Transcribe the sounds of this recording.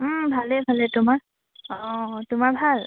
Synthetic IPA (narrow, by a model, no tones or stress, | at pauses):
m̩bʱalɛbʱalɛtʊmaɹ | ɔtʊmaɹbʱal